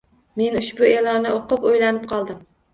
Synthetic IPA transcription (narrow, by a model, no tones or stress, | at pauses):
me̞nʊʃbʊelˠɒnnːɪoqɨpojlanɪp̚qʰɒlˠd̪ɪm